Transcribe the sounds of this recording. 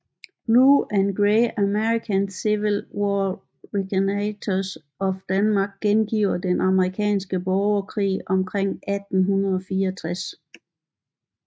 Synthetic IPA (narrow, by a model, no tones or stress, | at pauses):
b̥luʔænɡ̥ʁeæmeʁikʰænsiʋilwɒ | ʁkʰnæt͡sʰɔs | ɒ̽fd̥ænmɑ̈ːɡ̥̚ːenɡ̥iʊɐd̥enʔɑ̈məʁikʰɛ̰ːnsɡ̥əb̥ɒʊɐkʰʁḭːɒ̽mkʰʁeŋ̰æd̥n̩ɦunɐð̩ˠɒ̽fiːɐɒt͡sʰʁas